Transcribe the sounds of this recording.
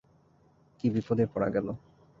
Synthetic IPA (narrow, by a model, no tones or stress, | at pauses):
kibipod̪epɔɽa̰ɡɛlo